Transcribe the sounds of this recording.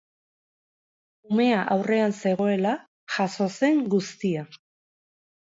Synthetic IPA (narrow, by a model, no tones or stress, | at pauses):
ume̞aʔawre̞anse̞ɣ̞o̞e̞la | ʝaso̞se̞ŋɡust̪ia